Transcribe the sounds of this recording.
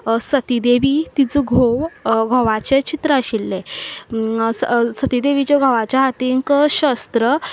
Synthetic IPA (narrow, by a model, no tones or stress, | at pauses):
sət̪id̪eʋit̪id͡zuɡʱowɡʱɔʋat͡ɕet͡ɕit̪ɾəəɕilːe | ssət̪id̪eʋit͡ɕaɡʱɔʋat͡ɕjaɦat̪iŋkəɕəst̪ɾə